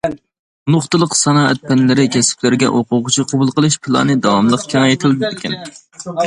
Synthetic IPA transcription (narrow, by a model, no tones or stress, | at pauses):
noχt̪ɨlˠəqsɑnɑːɛ̰t̪̚pʰɛnlɪɾɪkʲʰɛsɪ̥plɪɾɡʲɛ̰ʔoqʊʁʊt͡ʃʰiqʰɑbulˠqəlˠɨʃpʰɨlˠɑ̰nɨd̪ɑwɑmlˠəqkʲʰinɑjet̪ʰɪld̪ɪd̪ɪkʲʰɛn